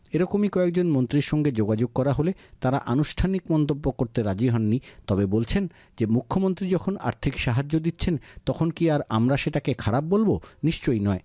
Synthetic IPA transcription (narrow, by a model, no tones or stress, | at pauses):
eɾɔkomikɔek̚d͡ʑonmont̪ɾiɾʃɔŋɡed͡ʑoɡad͡ʑoɡ̚kɔɾaɦolet̪aɾa̰ʔanuʃʈʰanikmɔnt̪obːokoɾt̪eɾad͡ʑiɦɔnːit̪ɔbebolt͡ɕʰen | d͡ʑemukʰːomont̪ɾid͡ʑɔkʰona̰ɾt̪ʰikʃaɦad͡ʑːod̪itːɕʰent̪ɔkʰonkiaɾa̰mɾaʃeʈakekʰaɾab̚bolboniʃt͡ɕojnɔe